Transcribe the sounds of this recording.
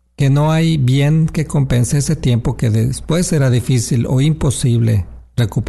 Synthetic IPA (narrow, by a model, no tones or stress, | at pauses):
ke̞no̞ajβje̞ŋke̞ko̞mpe̞nseese̞t̪je̞mpo̞ke̞ðespwe̞se̞ɾaðifisilo̰impo̞siβ̞le̞̰re̞kup